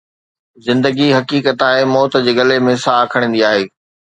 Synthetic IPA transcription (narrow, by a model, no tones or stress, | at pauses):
zɪ̃nd̪əɡiɦɐkiːkət̪aːɦẽmɔːt̪d͡ʑeːɡɐlemẽsaːkʰəɽ̃nd̪iaːɦeː